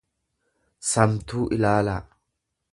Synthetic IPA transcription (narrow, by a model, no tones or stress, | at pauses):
sɐmt̪uːʔɪlaːlaː